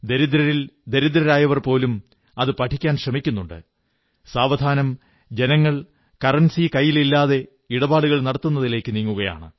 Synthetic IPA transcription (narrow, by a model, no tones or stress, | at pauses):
d̪eɾid̪ɾɐɾild̪eɾid̪ɾɐɾaːjɐʋɐrpo̞ːlum | ɐðɨpɐʈʰikʲːaːnɕrɐmikʲːunːuɳɖɨ̰ | saːʋɐd̪ʱaːnɐm | d͡ʑe̞nɐŋːɐɭ | kɐrɐnsikɐjːililːaːðe̞ | iɽɐbaːɽuɣɐɭnɐɽɐt̪ːunːɐðile̞ːkːɨniŋːuɣɐja̰ːɳɨ